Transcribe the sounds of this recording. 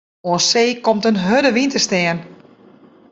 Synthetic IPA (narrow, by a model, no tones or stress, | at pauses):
oəseːkomtənɦødəʋintəstɛən